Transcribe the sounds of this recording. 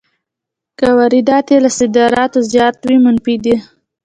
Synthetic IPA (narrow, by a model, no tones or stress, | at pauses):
kawaɾid̪ɑt̪jelasɪd̪ɑɾɑt̪ozjɑt̪wimʊnfid̪i